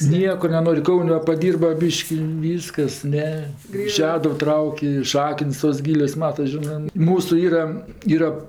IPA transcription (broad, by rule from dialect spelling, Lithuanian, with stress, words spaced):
ˈnʲiɛkoː nʲɛˈnoːrʲɪ ˈkɐʊnʲ ˈʋɐ pɐˈdʲiːrbɐ ˈbʲiːʃʲkʲɪ ˈʋʲiːskɐs ˈnʲɛ ɪ ˈʃʲæːdʊw ˈtrɐʊkʲ ɪ ˈʃɑːkəns toːs ˈɡʲiːlʲoːs ˈmɑːtɐs ˈʒʲɪnɜ ˈmuːsʊ ˈiːrɐ ˈiːrɐ